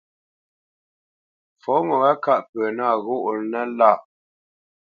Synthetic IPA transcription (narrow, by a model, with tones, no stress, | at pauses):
fɔ˨˦ŋɔ˨ɣa˦ka˦ʔpə˨na˦˨ɣo˦ʔɾnə˦la˦˨